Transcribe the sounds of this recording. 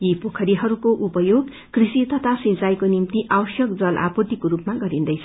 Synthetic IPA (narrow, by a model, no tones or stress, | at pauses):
jipokʰʌɾiɦʌɾukoʔupʌjoɡ | krisit̪ʌt̪ʰasĩnt͡sajkonimt̪iʔawʌsjʌkd͡zʌlʔa̰put̪ikoɾupmaɡʌɾind̪ʌjt͡sʰʌ